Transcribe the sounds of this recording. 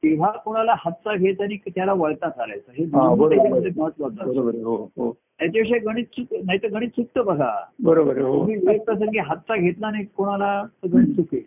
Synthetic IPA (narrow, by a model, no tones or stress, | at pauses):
t̪eʋ̤akoɽ̃alahət̪ːt͡saɡʱet͡sañikt̪jalaʋəɭt̪at̪ʰala̰jt͡səɦed̪ãbəɾed̪iməd͡zʱeməɦət̪ːʋat̪abəɾobəɾɦoɦo | t̪jat͡ɕeʋɕeɡəɽ̃iːt̪suknaɦit̪əɡəɽ̃iːt̪suk̚t̪əbəɡʱa̰bəɾobəɾɦoumipəik̚t̪əs̬əŋɡeɦət̪ːt͡saɡʱet̪lanajikoɽ̃alat̪əɡəɽ̃iːt̪suke